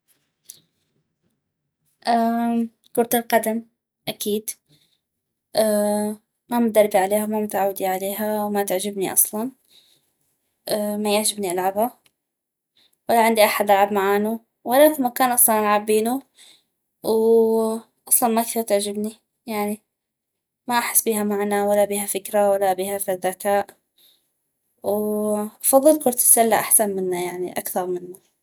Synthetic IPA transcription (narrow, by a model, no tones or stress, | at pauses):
ʔaː | kʊɾt̪alqɑd̪am | ʔakiːd̪ | ʔaː | mamʊd̪ɑɾˤbiʕaleːhawmamʊt̪ʕawːd̪iʕaleːɦawmat̪ɪʕʒɪbniʔɑ̰sˤlɑn | ʔamajɪʕʒɪbniʔalʕabha | walːaʕɪnd̪iʔaħad̪ʔalʕabmaʕaːnu | walːakmakaːnʔɑsˤlɑnʔalʕabːiːnu | w | ʔɑsˤlɑnmakθiːɾt̪ɪʕd͡ʒɪbni | jaʕni | maʔaħɪ̥sːbiːhamaʕnawalːabiːhafɪkɾawalːabiːhafiðakaːʔ | wʔɑfɑðˤːɨlkʊɾt̪ɪ̥salːaʔaħsanmɪnːajaʕniʔa̰kθɑɾˤmɪnːa